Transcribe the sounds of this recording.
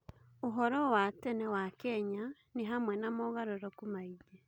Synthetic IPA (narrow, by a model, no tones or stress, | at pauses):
oɦɔɾɔwatɛnɛwakɛɲa | niɦamwɛnamɔɣaɾɔɾɔkumaid͡ʒe